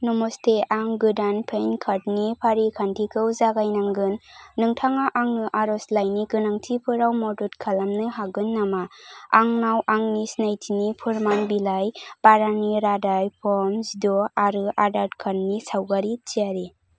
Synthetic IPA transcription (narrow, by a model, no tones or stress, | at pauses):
nɔmɔstʰeʔaŋɡɯdanpʰenkʰaɾd̚nipʰaɾikʰantʰikʰɯwzaɡajnaŋɡɯnːɯŋtʰaŋaʔaŋɯʔaɾɔslajniɡɯnaŋtʰipʰɯɾawmɔdutkʰalamnɯɦaɡɯnːamaaŋnawʔaŋnisnajtʰinipʰuɾmanbilajb̥aɾaniɾadajpʰɔmsdɔaɾɯʔadaɾt̚kʰannisawɡaɾit͡ʃiaɾi